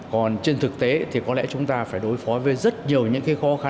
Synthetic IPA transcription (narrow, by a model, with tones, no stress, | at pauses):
kɔ˨˩nt͡ɕe˧nt̪ʰɨ˨˩k̚t̪e˨˦t̪ʰi˨˩kɔ˨˦lɛ̰˧˥t͡ɕʊ˨˦ŋ͡mt̪aː˧faː˧˩jɗo˨˦jfɔ˨˦vəː˨˦jzə˦˥t̚ɲi˨˩əwɲɨ̰˧˥ŋkaː˨˦jxɔ˨˦xa˧